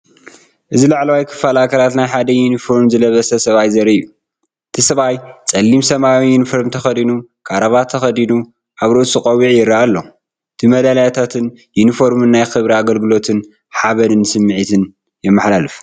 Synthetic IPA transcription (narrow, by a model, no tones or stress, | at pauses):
ʔɨzilaʕlawajkʰɨ̥fːalakʰɐlat̪najħad̪ɐjunifo̞ɾmzɨlɐβɐsɐsɐβajzɐɾiju | ʔɨt̪ʰisɐβajt͡sʼɐlːimsɐmawijunifoɾmt̪ʰɐxɐd̪inukʰaɾɐβat̪ʰɐxɐd̪inu | ʔaβɾot̪sɨkʼɐwiʕjɪɾaʔalːo̞ | ʔɨt̪ʰimɐd̪alajat̪ʰat̪ʰɨn | junifo̞ɾmɨnːajxɨβɾiaɡɐlɡɨlo̞t̪ʰɨn | ħaβɐnɨnsɨmːɨʕit̪ʰɨn | jɛmːɨħlalɨf